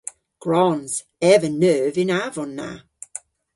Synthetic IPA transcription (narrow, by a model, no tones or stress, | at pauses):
ɡ̥ɹɔnz̥ | ɛvənœːvɪnavɔnːa̰